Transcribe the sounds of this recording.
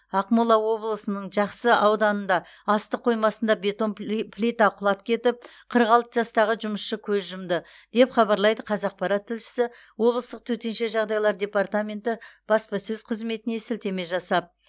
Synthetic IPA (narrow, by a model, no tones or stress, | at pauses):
ɑqmulˠɑwo̞blˠəsənəɴʒɑqsəʔɑwd̪ɑnənd̪ɑ | ɑst̪əqʰːo̞jmɑsənd̪ɑbe̞t̪o̞nplʲit̪aqʰʊlˠɑp̚kʲʰe̞t̪ɪp̚qʰəɾəqɑlˠt̪əʒɑst̪ɑʁəʒʊməsʃəkʲʰɵzʒʊmd̪ə | d̪̥e̞pχɑbɑɾlˠɑjd̪əqʰɑzɑq̚pɑɾat̪ʰːɪlʃɪ̥sɪ | wo̞blˠəst̪əq̚t̪ʰɵt̪e̞nʃe̞ʒɑʁd̪ɑjlˠɑɾd̪ʲe̞part̪amʲe̞nt̪ɪb̥ɑspɑsɵzqʰəzme̞t̪ɪne̞sɪlt̪eme̞ʒɑsɑp̚